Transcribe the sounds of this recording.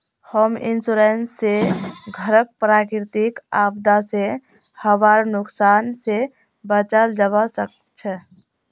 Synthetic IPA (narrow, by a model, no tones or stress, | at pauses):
həmḭnsuɾenseɡʱəɾək̚pɾakɾit̪ikab̚d̪ase | həʋaɾnuksanse | bət͡ʃəld͡ʒəbasək | t͡ʃʰə